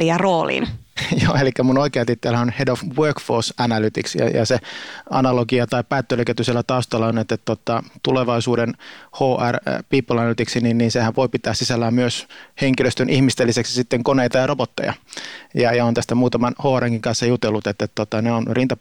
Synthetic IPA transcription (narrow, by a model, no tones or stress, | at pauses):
ijɑroːlḭnjo̰ːelikːæmunoikeɑt̪it̪ːælæonhedofwøːkfosænælyt̪iksjɑ̰jɑ̰seɑ̰nɑloɡiɑt̪ɑipæːt̪ːøløkæt̪ːyselːæt̪ɑust̪ɑlːɑonet̪ːet̪t̪ot̪ɑt̪uleʋɑisuːdenhoːʔærpiːpːolænælyt̪iksininniːnsehæʋʋoipit̪æːssisælːæːmmyøsheŋkiløst̪ønʔihmist̪elːiseksi̥sit̪ːeŋkoneit̪ɑjɑrobot̪ːḛjɑ̰jɑjɑont̪æst̪æmuːt̪ɑmɑnhoːæreŋkiŋkɑnsːɑjut̪elːut̪et̪ːet̪t̪ot̪ɑneonrint̪ɑ